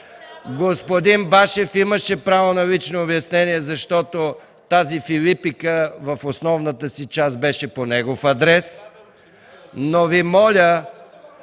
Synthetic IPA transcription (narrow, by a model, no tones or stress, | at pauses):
ɡospod̪inbaʃɛfiməʃɛpɾavonɐlit͡ʃnoːbjɐsnɛniɛzɐʃt̪ɔt̪o | t̪azifilipikəvɐfosnɔvnət̪əsit͡ʃasbɛʃɛponɛɡofɐd̪ɾɛs | novimɔlʲə